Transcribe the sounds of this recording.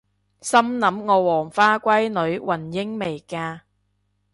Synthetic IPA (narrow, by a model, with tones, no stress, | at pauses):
sɐ˥mnɐ˨˥mŋɔː˨˧wɔː˨˩ŋfaː˥kʷɐ˥jnɵ˨˥ɥwʔɐ˨˩njɪ˥ŋme˨˩jkaː˧